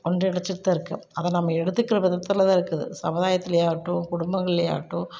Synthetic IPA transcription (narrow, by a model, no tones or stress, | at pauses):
kɔɳɖɯɪɽɐt͡ʃːɪɾt̪ːɐɪɾɯkːɯɐðɛnɐmːɐɛɽɯt̪ːɯkːɪɾɐʋɪðɐt̪ːɐlðãːɪɾɯkːɯðɯ̰sɐ̰mʊðaːjɐt̪ːɪlɐjaːʋʈːʊ̃kʊɽʊmbɐŋɡɐɭɪlɐja̰ːʋʈːũ